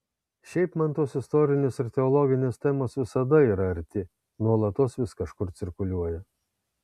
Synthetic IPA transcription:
ʃʲɛɪpmɐnt̪oːsɪst̪ɔɾʲɪnʲeːsɪɾt̪ʲɛɔlˠɔɡʲɪnʲeːst̪ʲɛmoːsʋʲɪsɐd̪ɐiːɾɐɐɾʲt̪ʲɪ | nuɔlˠɐt̪oːsʋʲɪskɐʃkʊɾt̪sʲɪɾkʊlʲuɔjɛ

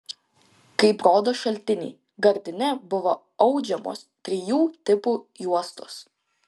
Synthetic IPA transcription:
kɐɪpɾoːd̪oːʃɐlʲˑt̪ʲɪnʲḭː | ɡɐɾʲd̪ʲɪnʲɛbʊʋoː | ɐʊd͡ʒʲɛmo̰ːspʲɾʲɪjuːt̪ʲɪpuːjuɔst̪ʊs

